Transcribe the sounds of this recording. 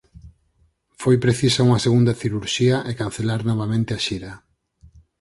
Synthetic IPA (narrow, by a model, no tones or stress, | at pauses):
fojpɾeθisauŋɐseɣund̪ɐθiɾuɾʃiɐʔekanθelaɾnɔβamẽnt̪eaʃiɾɐ